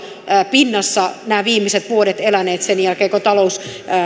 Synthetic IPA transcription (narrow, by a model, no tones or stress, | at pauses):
pinːɑsːɑnæːʋiːmːiset̪ʋuodet̪elæneːt̪senjælkeːkot̪ɑlous